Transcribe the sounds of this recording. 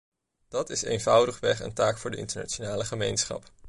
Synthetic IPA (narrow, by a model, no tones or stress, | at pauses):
d̥ɑtɪsḛjnvʌwdəχʋɛχə̰ntaːkfʊːɹdəɪ̰ntəna̰ːt͡ʃonaːləχəmejnsχɑ̰p